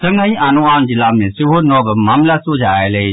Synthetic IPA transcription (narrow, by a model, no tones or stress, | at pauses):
səŋaĩʔaːnuaːnd͡ʒɪlaːmẽsɪonɔːbəmaːmlasoːd͡ʒʱaːeleː